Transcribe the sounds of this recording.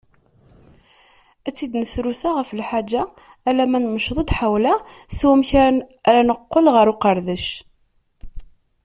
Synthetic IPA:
æt͡sːid̪nəsɾusaʁəfəlħad͡ʒːaː | læmænməʃðˤəd̪ħawlæswæmçɾanəqːəlʁəɾuqəɾðəʃ

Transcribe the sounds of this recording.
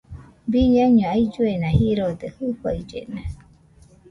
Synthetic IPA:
biɲãɲõaid͡ʒuenãhiɾod̪ehɨɸaid͡ʒḛnã

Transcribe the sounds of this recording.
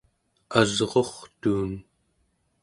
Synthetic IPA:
azʁo̞χt̪uːn

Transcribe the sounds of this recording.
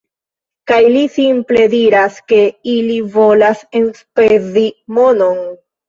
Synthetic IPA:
kajlisimple̞diɾaske̞ilivo̞lase̞nspezimo̞no̞n

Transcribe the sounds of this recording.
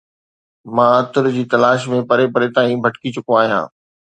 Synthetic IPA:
mãːɐt̪ʊɾd͡ʑiːt̪ɐlaːʃmẽpɐɾepɐɾet̪aːĩbʱɐʈkit͡ɕʊkoaːɦijã̰ː

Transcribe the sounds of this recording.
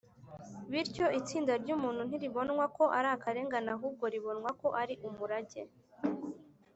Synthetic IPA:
βiɾco̞ʔit͡siːndaɾɟuːmuːn̥hun̥iɾiβo̞nwako̞ʔaɾaːkaɾe̞ːŋɡanaɦuːb̚ɡo̞ɾiβo̞nŋwako̞ʔaɾiʔumuɾaɟe̞

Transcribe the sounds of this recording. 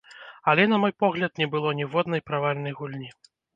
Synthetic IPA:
ɐlʲɛnɐmɔjpɔɣlʲɐt̪nʲɛbɨlˠɔnʲɛvɔd̪nɐjpɾavalʲnɐjɣulʲnʲi

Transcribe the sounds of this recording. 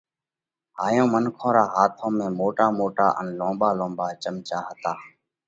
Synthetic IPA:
ɦaːjõːmənkʰõːɾaːɦaːt̪ʰõːmẽːmoːʈaːmoːʈa̰ːʔə̰nlõːmbaːlõːbaːt͡ʃəmt͡ʃaːɦət̪aː

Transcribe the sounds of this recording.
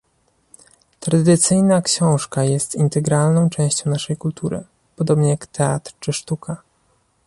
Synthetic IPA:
t̪ɾad̪ɘt̪sɘjnakɕɔ̃w̃ʂkajɛst̪int̪ɛɡɾalnɔ̃w̃t͡ʂɛ̃w̃ɕt͡ɕɔ̃w̃naʂɛjkult̪ʰuɾɘ̰ | pɔd̪ɔbɲɛjakt̪ɛa̰t̪ɾt͡ʂɘʂt̪ukʰa

